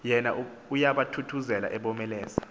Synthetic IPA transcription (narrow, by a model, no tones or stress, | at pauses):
jɛnaʔ | ujaɓatʰutʰuzɛla̰ʔɛɓɔmɛlɛːsḁ